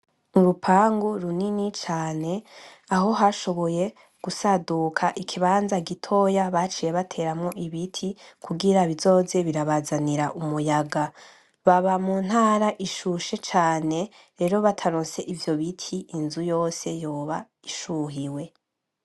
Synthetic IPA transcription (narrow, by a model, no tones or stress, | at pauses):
uɾupʰaːŋɡuɾuninit͡ʃaːne̞aɦo̞ɦaʃo̞βo̞je̞ | ɡ̥usadukʰaʔikʰiβaːnzaɡitʰo̞jaβat͡ʃiːje̞βatʰe̞ɾamŋoʔiβitʰikʰuɡiɾaβizo̞ːze̞βiɾaβazaniɾaʔumujaɡa | βaβamuːn̥haːɾaʔiʃuʃe̞t͡ʃaːne̞ | ɾe̞ːɾo̞βatʰaɾoːse̞ʔivjo̞βitʰiːnzujo̞ːse̞jo̞ːβa | iʃuɦiwe̞